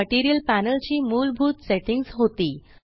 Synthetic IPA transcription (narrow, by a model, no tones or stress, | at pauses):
əʈiɾijəlpænəlt͡ɕiːmuːlbʱuːt̪seʈiŋɡsɦot̪iː